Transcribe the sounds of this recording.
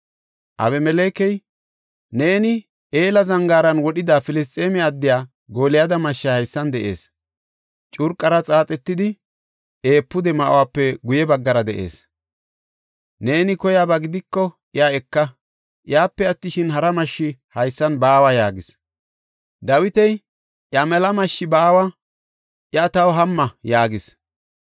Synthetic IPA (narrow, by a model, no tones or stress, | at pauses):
ʔɐ̰βɛmɛleːkɛj | ne̞ːnɪ | ʔe̞ːlɐzɐŋɡaːɾɐnwɔɗɪd̪aːfɪlɪst̪ʼːeːmɛɐd̪ːɪjaː | ɡo̞ːlɪjaːd̪ɐmɐʃːahɐjsːɐnd̪ɛʔe̞̰ːs | t͡ʃʼʊɾkʼːɐɾɐt͡sʼaːt͡sʼɛt̪ːɪd̪ɪ | e̞ːpːʊd̪ɛmɐʔʊ̰waːpːɛɡʊjɛbɐɡːɐɾɐd̪ɛʔe̞̰ːs | ne̞ːnɪkɔjaːbaɡɪd̪ɪkːɔʔɪjaɛkːɐ | ʔɪjaːpːɛɐt̪ːɪʃɪnɦɐɾɐmɐʃːɪhɐjsːɐnbaːwajaːɡɪs | d̪ɐwɪt̪ɛj | ʔjɐmɛlɐmɐʃːɪbaːwɐ | ʔjɐt̪ɐwɦɐmːɐjaːɡɪs